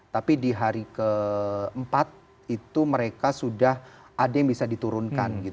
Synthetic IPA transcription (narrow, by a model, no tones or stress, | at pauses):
t̪apidiɦaɾikəəmpat̪̚ | it̪uməɾekasudah | ʔadajaŋbisadit̪uɾʊnkanɡit̪